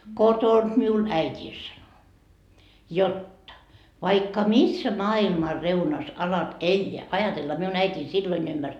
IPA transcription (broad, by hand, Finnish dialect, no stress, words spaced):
kotond̥ miul æitʲiː sɑno jotːɑ ʋɑikːɑ misːæ mɑːilmɑ reunɑs ɑlɑt elʲːeæ ɑjɑtelːɑ miun æitʲiːn silːoin ymːmærs